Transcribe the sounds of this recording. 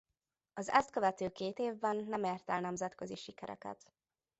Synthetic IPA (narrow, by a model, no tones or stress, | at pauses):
ɒzɛ̰st̪̚kø̞vɛt̪øːkeːt̪eːvbɛnːɛmeːrt̪ɛlnɛmzɛt̪køziʃikɛɾʔɛ̰kɛ̰t̪